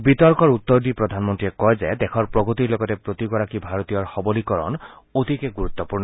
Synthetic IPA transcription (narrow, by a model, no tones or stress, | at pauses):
bit̪ɔɾkɔɾut̪ːɔɾd̪ipɾɔd̪ʱanmɔnt̪ɾiekɔjd͡ʒed̪ekʰɔɾpɾɔɡot̪iɾloɡɔtepɾot̪ikɔɾakibʱaɾot̪ijɔɹxɔbɔlikɔɾɔ̰n | ot̪ikeɡuɾut̪ːɔpuɾnɔ